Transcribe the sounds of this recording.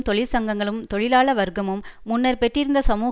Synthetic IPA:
t̪ɔɭɪɾsɐŋɡɐŋɡɐɭɯmt̪ɔɭɪlaːɭɐʋɐɾɡɐmɯmːʊnːɐɾpɛʈrɪɾɯnd̪ɐsɐmuː

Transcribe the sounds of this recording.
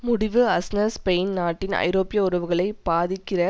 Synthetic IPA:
mʊɽɪʋɯɐsnɐspɛjnnaːʈːɪnɐ̰ɪɾoːpɪjɐʊɾɐʋɯɣɐɭɐɪb̥aːðɪkːɪrɐ

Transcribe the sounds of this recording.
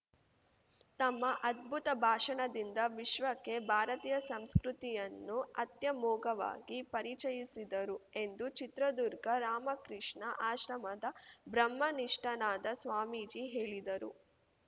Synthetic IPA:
t̪ɐmːɐʔɐd̪̚bʱut̪ɐbʱaːʂɐɳɐd̪ind̪ɐʋiʃʋɐkːe̞bʱaːɾɐt̪iːjɐsɐmskɾut̪ijɐnːuɐt̪jɐmɔːɡɐʋa̰ːɡipɐɾit͡ʃɐjisid̪ɐɾue̞nd̪ut͡ʃit̪ɾɐd̪uɾɡɐɾaːmɐkɾiʂɳɐʔaːʃɾɐmɐd̪ɐbɾɐmːɐniʂʈɐnaːd̪ɐsʋaːmiːd͡ʒiɦeːɭid̪ɐɾṵ

